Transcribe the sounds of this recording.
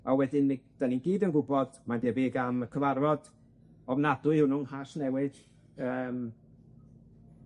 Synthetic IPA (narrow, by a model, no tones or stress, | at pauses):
awɛdɪnid̥aninɡiːdənɡʊbɔd̥mandeːveːɡaməkʰəvarvɔd̥ | ɔvnadʊɨhʊnʊŋhasnɛwɨd̥ | əːm